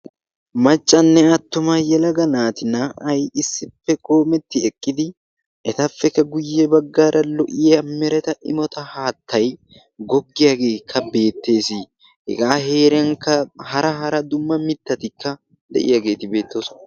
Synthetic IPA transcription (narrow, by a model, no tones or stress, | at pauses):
mɐt͡ʃʼːɐnːɛɐt̪ːʊmɐjɛlɐɡɐnaːt̪ɪnɐɐjɪsːɪpːɛkʼo̞ːmɛt̪ːɪɛkʼːɪd̪ɪ | ʔɛt̪ɐfːɛkːɐɡʊjːɛbɐɡːaːɾʔɐlɔʔɪjɐmɛɾɛt̪ɐʔɪmɔt̪ɐhaːt̪ʰːɐj | ɡɔɡːɪjaɡe̞ːkʰːɐbe̞ːt̪ːe̞ːsi | hɛ̰ɡaːhe̞ːɾɪjɐŋkːɐhɐɾɐɦɐɾɐd̪ʊmːɐmɪt̪ːɐt̪ɪkʰːɐ | d̪ɛ̰ʔɪ̰jaːɡe̞ːt̪ɪbe̞ːt̪ːosɔ